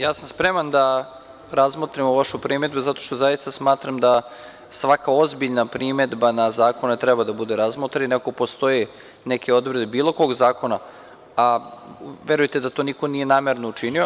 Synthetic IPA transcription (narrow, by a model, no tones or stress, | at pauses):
jaːsamspɾemand̪a | ɾazmot̪ɾimoʋaʃupɾime̞d̪buzat̪o̞̥ʃt̪o̞zajist̪asmaːt̪ɾamd̪a | sʋakao̞zbiʎnapɾimed̪banazaːko̞net̪ɾɛbad̪abud̪eɾazmot̪ɾainakopost̪o̞je | nekʰeo̞d̪vɾed̪ebiːlo̞ko̞ɡzaːko̞na | a | ʋeɾujt̪ed̪at̪oːniko̞nije̞naːme̞ɾnout͡ʃinio